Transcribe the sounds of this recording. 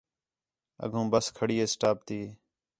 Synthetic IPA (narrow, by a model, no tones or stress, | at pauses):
ə̰ɡʱũːbəskʰəɽiːeːsʈaːp̚t̪iː